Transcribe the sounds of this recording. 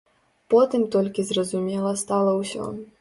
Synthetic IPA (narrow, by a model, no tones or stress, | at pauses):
pɔt̪ɨmt̪ɔlʲkʲizrɐzumʲɛlˠɐst̪alˠɐwsʲɔ̰